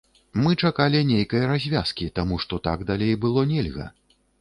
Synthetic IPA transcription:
mɨt͡ʂakalʲinʲejkɐjɐɾazʲvʲa̰skʲit̪amuʂt̪ɔt̪a̰ɡd̪alʲejbɨlˠɔnʲɛlʲɣɐ̰

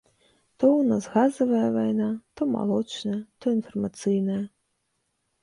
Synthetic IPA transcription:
t̪ɔwnazɣazɐvɐjɐvajnat̪ɔma̰lˠɔt͡ʂnɐjɐt̪ɔinfɐrmat̪sɨjnɐjɐ

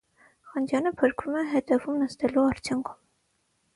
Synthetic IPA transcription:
χɑnd͡ʒjɑnəpʰəɾkʰvumɛɦɛd̪ɛvumnəst̪ɛluɑɾt͡sʰjuŋkʰu̥m

